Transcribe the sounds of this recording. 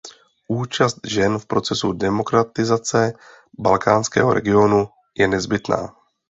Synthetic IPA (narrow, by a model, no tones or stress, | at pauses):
ʔuːt͡ʃast̪ʒɛnfpɾo̞t͡sɛsudɛmo̞kɾat̪ɪzat͡sɛ | balkaːnskɛ̰ːɦoɾʔɛ̰ɡɪo̞nu | jɛnɛzbɪt̪na̰ː